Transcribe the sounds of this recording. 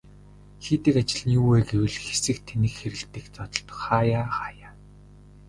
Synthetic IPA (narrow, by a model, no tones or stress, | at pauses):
xeːt̪ɘ̆kat͡ɕɪ̆ɮniuːweːɡewɘ̆ɮxe̥sɘ̆kt̪ʰenɘ̆kxeɾɘ̆t̪ɘ̆kt͡sɔt̪ɞ̆ɬt̪ɞ̥̆χaːjaːχaːjaː